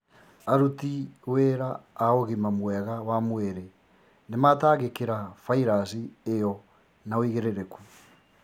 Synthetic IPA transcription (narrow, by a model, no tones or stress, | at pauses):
aɾutiweɾaːoɣimamwɛɣawamweɾe | nemataːɣekeɾafaiɾasiejɔ | naoiɣeɾeɾeku̥